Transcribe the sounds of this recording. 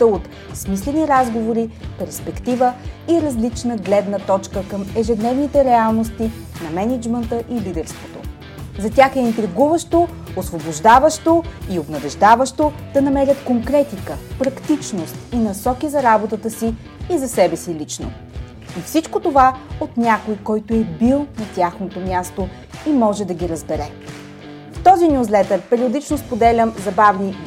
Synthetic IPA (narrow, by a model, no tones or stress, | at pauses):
t̪əot̪ | smislɛniɾazɡovoɾipɛɾspɛkt̪ivəiɾɐzlit͡ʃnəɡlɛd̪nət̪ɔt͡ʃkəkəmɛʒɛd̪nɛvnit̪ɛɾɛalˠnost̪i | nɐmɛnid͡ʒmənt̪əʔilid̪ɛɾst̪vot̪o̰ | zɐt̪ʲaxɛint̪ɾiɡuvəʃt̪o | osvoboʒd̪avəʃt̪oiobnɐvɛʒd̪avəʃt̪od̪̥ɐnɐmɛɾʲət̪koŋkɾɛt̪ikəpɾɐkt̪it͡ʃnost̪inɐsɔkizɐɾabot̪ət̪əsiː | zɐsɛbɛsilʲit͡ʃno̰ | ifsit͡ʃkot̪ovaot̪nʲakojkɔjt̪oɛbilˠnɐt̪ʲaxnot̪omʲjast̪o | imɔʒɛd̪ɐɡʲiɾəzbɛɾɛ | ft̪ɔzinʲjuslɛt̪əɾpɛɾiod̪it͡ʃnospod̪ɛlʲəmzɐbavni